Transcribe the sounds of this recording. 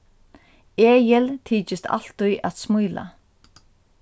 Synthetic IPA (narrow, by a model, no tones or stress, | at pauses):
eːjɪlt̪ʰiːt͡ʃɪst̪ʰa̰l̥t̪ʊjʔat̪smujla̰